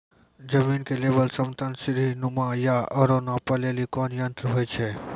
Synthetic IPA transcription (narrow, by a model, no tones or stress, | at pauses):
d͡ʒɐmiːnkeleːbəlsɐmt̪ənsɪɾɦinʊmãjaʔɐɾõnapɐleːlikɔːnjə̃nt̪ɾɦoːjt͡ʃʰe